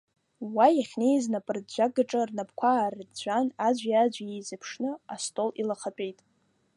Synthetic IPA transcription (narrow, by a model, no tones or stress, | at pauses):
wajaχʲnejznapʼɨrd͡ʒʷaɡaʈ͡ʂʼɨrnapʰkʷʰaːrɨdd͡ʒʷanad͡ʒʷjad͡ʒʷajezapʰʂnɨastʼolilaχapʼejtʼ